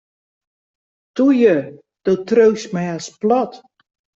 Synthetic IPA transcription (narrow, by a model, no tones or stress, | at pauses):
tujə | d̥otrøːsmɛjasplɔt